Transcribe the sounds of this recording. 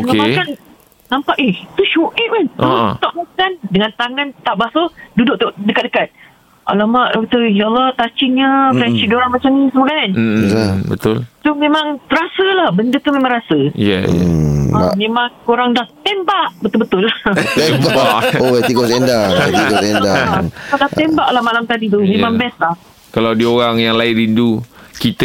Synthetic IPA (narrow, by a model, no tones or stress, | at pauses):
omeakan | nampaʔet̪uʃuʔiʔ̚kant̪ut̪aʔmakandəŋant̪aŋant̪aʔbaht̪ududʊk̚t̪uʔdəkat̪̚dəkat̪̚ | ʔa̰lamaʔit̪ujalɔt̪at͡ʃiɲəfansidoɾanmat͡ʃamnĩsəmuɡan̩abət̪ʊlt̪umẽmãŋɾasəlahbəndət̪umemaŋɾasəjɛ̰amemaŋkoɾaŋdaht̪embaʔbət̪ʊlbət̪ʊlebaʔoat̪iɡosendaat̪iosendaaadaht̪embaʔlahmalamt̪adit̪̬umemãŋbɛslah | kalawdioɾaŋjaŋlaɪlindukit̪ə